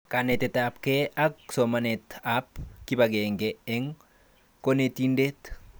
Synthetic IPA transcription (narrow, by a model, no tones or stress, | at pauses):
kanet̪ɛt̪apkeʔak̚somanet̪apkibaɡeŋɡeɛŋ | konet̪indet̪